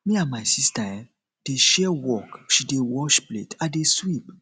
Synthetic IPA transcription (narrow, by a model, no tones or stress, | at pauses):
mĩãnmaɪsistaɛ | d̥eʃɛwɔkʃidewɔʃplḛtadeswip